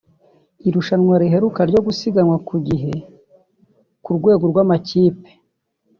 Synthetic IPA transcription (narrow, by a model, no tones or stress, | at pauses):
iɾuʃanŋwaɾiɦe̞ɾukaɾɟo̞ɡusiɡanwakuɡiɦe̞ | kuɾɡwe̞ːɡo̞ɾɡwamaciːpe̥